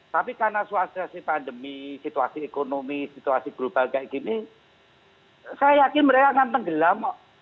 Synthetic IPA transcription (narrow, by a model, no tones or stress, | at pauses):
t̪apikarnasuast̪asipandəmisit̪uasiekonomisit̪uasiɡ̥ɾub̥alkaiɡini | sajajakɪnməɾekaŋant̪əŋɡəlamɔʔ